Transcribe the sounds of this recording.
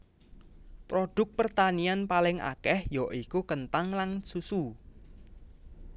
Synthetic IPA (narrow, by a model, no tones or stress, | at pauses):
pɾoɖ̥ʊ̤k̚pərt̪anianpalɪŋʔa̰kɛhjɔʔikukənt̪aŋlaŋsusu